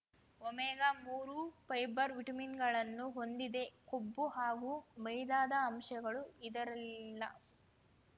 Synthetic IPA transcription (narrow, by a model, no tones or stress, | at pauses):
omɛːɡamuːɾupɐjbɐɾʋiʈɐminɡɐɭɐnːuɦo̞nd̪id̪e̞kobːuɦaːɡumɐjd̪aːd̪ɐːmʃɐɡɐɭuid̪ɐɾɐliilːɐ̰